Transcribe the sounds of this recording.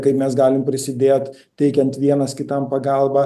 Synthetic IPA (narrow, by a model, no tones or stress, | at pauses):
kɐɪpmʲɛsɡɑːlʲɪmpʲɾʲɪsʲɪd̪ʲeːt̪ | t̪ʲɛɪkʲɛnt̪ʋʲiɛnɐskʲɪt̪ɐmpɐɡɐlˠbɑː